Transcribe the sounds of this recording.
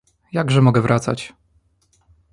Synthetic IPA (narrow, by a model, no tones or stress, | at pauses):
jaɡʐɛmɔɡɛvɾʔat̪sa̰t͡ɕ